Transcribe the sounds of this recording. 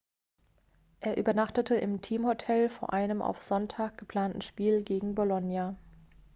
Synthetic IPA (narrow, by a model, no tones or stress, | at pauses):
ʔeːɐʔyːbɐnaχtətʰəʔɪmtʰiːmhotʰɛlfoːɐʔaɪnəma̰ʊfz̥ɔntʰaːk̚ɡ̥əpl̥aːntn̩ʃpiːlɡeːɡŋ̩bolɔnja